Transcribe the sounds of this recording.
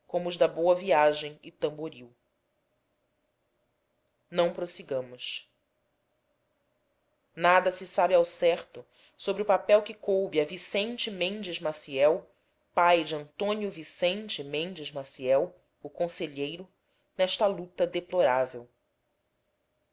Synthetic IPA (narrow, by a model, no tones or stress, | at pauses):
kõmʊːzd̪ɐbowɐviaʒẽj̃ɪt̪ɐ̃mboɾiw | nɐ̃w̃pɾosiɡɐ̃mʊʃ | nad̪ɐsɪsabɪawsɛχt̪ʊ | sobɾɪʊpapɛwkɪkowbɪɐvisẽnt͡ʃɪmẽnd͡ʒɪzmasiɛw | pajd͡ʒɪɐ̃nt̪õniʊvisẽnt͡ʃɪmẽnd͡ʒɪzmasiɛw | ʊkõseʎejɾʊ | nɛʃt̪ɐlut̪ɐd̪eploɾavew